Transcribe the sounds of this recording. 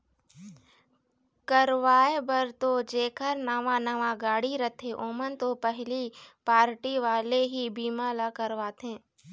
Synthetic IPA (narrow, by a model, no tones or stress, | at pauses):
kəɾʋaːebəɾt̪od͡ʒeːkəɾnaːʋanɐʋaɡaːɽiɾət̪ʰeʔoːmənt̪opəɦlipaːɾʈiʋaːleɦibiːmaːlakəɾʋaːt̪ɦẽː